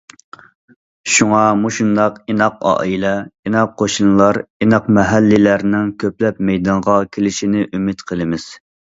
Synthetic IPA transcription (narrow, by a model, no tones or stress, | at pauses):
ʃuŋɑmuʃund̪ɑqinɑqɑ̰ːilɛinɑqʰːoʃɨnlˠɑɾinɑqmɛɦælːɪlæɾnɪŋkʲʰøplɛp̚mɛjd̪ɑnʁɑkʲʰelɪʃinɪʔymɪt̪qʰəlˠɨmɪz̥